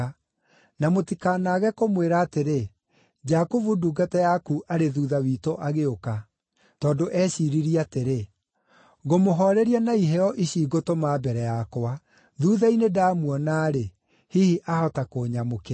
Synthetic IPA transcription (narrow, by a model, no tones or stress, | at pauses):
namotikaːnaɣɛkomweɾaːteɾe | d͡ʒakovuduɡatajakuʔaɾeðuːðawiːtoʔaɣeoka | tɔːndoʔɛɕiɾiɾiateɾe | ɣomoɦɔɾɛɾianaiɦɛɔʔiɕiɡotomaːbɛɾɛjakoa | ðuːðainedaːmuɔnaːɾe | hihiʔahɔtakoːɲamokɛ